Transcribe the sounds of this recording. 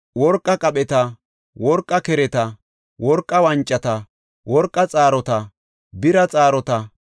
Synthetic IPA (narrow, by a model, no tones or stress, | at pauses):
wɔɾkʼːɐkʼɐɓɛt̪ɐ | wɔɾkʼːɐkɛɾɛt̪ɐ | wɔɾkʼːɐwɐnt͡ʃʼːɐt̪ɐ | wɔɾkʼːɐt͡sʼaːɾɔt̪ɐ | bɪɾɐt͡sʼaːɾɔt̪ɐ